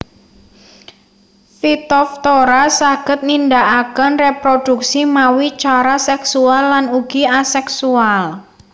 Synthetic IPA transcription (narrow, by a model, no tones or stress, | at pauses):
fit̪ɔft̪oɾasaɡ̥ə̤t̪̚nindaʔakənrepɾod̥uksimawit͡ʃaɾasɛksualːanuɡ̥iasɛksual